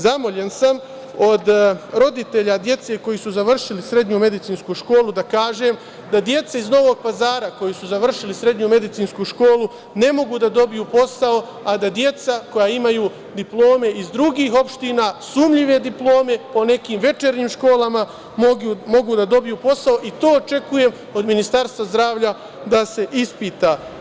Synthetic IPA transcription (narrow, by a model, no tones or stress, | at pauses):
zamo̞ʎe̞nsam | o̞d̪ɾo̞d̪it̪e̞ʎad̪je̞t̪se̞ko̞jisuzaʋr̩ʃilisɾe̞d̪ɲume̞d̪it̪siːnskuʃko̞ːlud̪akaːʒe̞m | d̪ad̪je̞t̪saizno̞ʋo̞ɡ̚pazaːɾako̞jisuzaʋr̩ʃilisɾe̞d̪ɲume̞d̪it̪siːnskuʃko̞ːlu | ne̞mo̞ɡud̪ad̪o̞bijuːpo̞sao̞ | ad̪ad̪je̞t̪sako̞jaimajuː | d̪iplˠo̞ːme̞ʔizd̪ɾuɡiːɦo̞pʃt̪iːnasumʎiʋe̞d̪iplˠo̞ːme̞po̞ne̞kiːmʋe̞t͡ʃe̞ɾɲiːmʃko̞ːlama | mo̞ɡud̪ad̪o̞bijuːpo̞sao̞ʔit̪o̞ːt͡ʃe̞kuje̞m | o̞d̪minist̪aɾst̪ʋazd̪ɾaːʋʎa | d̪ase̞ʔispiːt̪a